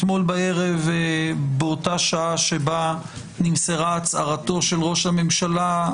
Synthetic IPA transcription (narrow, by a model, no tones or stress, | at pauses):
tmo̞lbae̞ʁe̞vbeotaʃaaʃeba | nimseʁat͡saʁato̞ʃelʁo̞ʃhame̞mʃala